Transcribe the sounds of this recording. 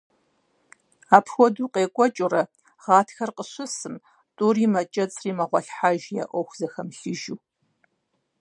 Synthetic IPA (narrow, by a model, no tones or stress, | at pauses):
aːpʰxʷɔduːqʼeːkʷʼɔt͡ʃʼʊrɐ | ʁɑːtʰxɐrqəɕʊsɨm | tʼuːriːmɐt͡ʃʼɐt͡sʼriːmɐʁʷɔɬħaʒja̰ʔʷɔxʷzɐxɐmɬɨʒuː